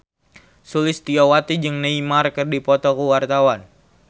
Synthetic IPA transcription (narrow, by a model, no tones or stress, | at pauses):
sulɪst̪iɔwat̪id͡ʒɨŋnəimarkɨrdipɔt̪ɔkuwart̪awan